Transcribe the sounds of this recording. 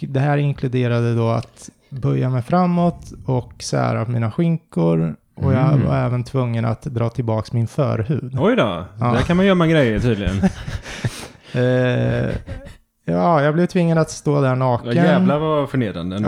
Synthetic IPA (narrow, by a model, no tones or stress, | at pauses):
d̪ɛɦæːɾɪŋkʰlɵd̪eːɾad̪əd̪ɔa̰t̪ | bœɾjamɛjfɾamːɔt̪ɔksæ̰ːɾapʰɔmiːnaɧɪŋkʊɾ | ʔɔjɑːva̰ɾɛːvənt̪ʰvɵŋːəna̰t̪d̪ɾɑːt̪ʰɪlbɑːksmɪnfœ̰ːɾhʉ̟ːd̪ɔjd̪ɔ̰ːd̪ækʰanmanjjœmːaɡɾɛjːəʈʰyːd̪lɪɡə̰n | ɑːjɑːɡblɛvt̪ʰvɪŋːad̪at̪st̪oːd̪æɳɑːkəj̪ɛvlavafœɳeːd̪ɾa̰nd̪ə